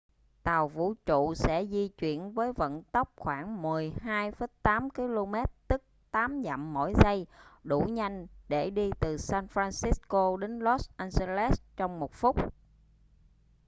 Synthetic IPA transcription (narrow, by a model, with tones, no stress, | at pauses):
t̪a˨˩wvṵ˧˩˨t͡ɕṵ˧˨sɛ̰˧˥zi˧t͡ɕwḭ˧˩˨ənvəː˨˦jvə̰˧˨nt̪ə˦˥wk͡p̚xwaː˧˩ŋmɨ˨˩əjɦaː˧jfə˨˦jt̪aː˨˦mki˧lo˧mɛ˦˥t̚t̪ɨ˦˥k̚t̪aː˨˦mza̰˧˨mːo̰˧˩˨jza˧jɗu˧˩ɲa˧jŋ̟ɗe˧˩ɗi˧t̪ɨ˨˩saː˧nfɾaː˧nsi˨˦˥sko˧ɗe˨˦nlɔ˦˥sʔa˧nze˧lɛ˦˥st͡ɕɔ˧wŋ͡mmo˨˩t̚fʊ˦˥k͡p̚